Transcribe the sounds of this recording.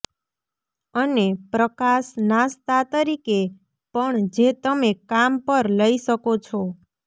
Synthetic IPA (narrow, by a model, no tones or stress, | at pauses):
ənepɾəkaʃnast̪at̪əɾike | pəɳd͡ʒet̪əmekampəɾləisəkot͡ʃʰɔ